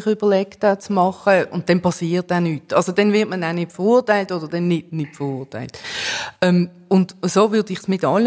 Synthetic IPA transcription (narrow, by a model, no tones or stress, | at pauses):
χʏb̥əɐlɛktat͡smɑχəʊnt̚d̥ɛnpɑsiːtanyːtɑlsodɛnvɪɐtmənanɪtfəʁuːɐtaɪltod̥əd̥ɛnːɪd̚nɪtfəʁuːɐta̰ɪltɛm | ʊndsoːvʏːdɪχsmɪtɑl